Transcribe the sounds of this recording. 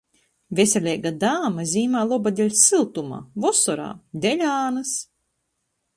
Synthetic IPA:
vʲesʲelʲɛːɡad̪aːmazʲiːmaːlˠɔbad̪ʲɛlʲsilˠt̪uma̰ːvɔsɔɾa̰ːd̪ʲɛlʲaːnɨs

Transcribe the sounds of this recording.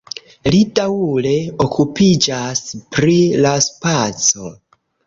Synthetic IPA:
lidawule̞okʰupid͡ʒaspɾilaspat͡so̞

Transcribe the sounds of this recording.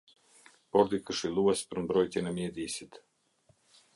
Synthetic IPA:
pɔɾd̪ikəʃilˠuɛspəɾmbɾɔjt̪jɛnɛmjɛd̪iːsit̪

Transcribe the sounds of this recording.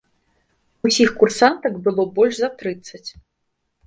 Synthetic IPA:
usʲixkursant̪ɐkbɨlˠɔbɔlʲʂzɐt̪ɾɨt̪sːɐt͡sʲ

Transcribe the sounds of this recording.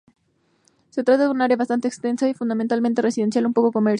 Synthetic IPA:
set̪ɾat̪aðunaɾeaβast̪ant̪eːkst̪e̞nsaifund̪ament̪almẽnt̪e̞resiðensjalumpo̞koko̞meɾ

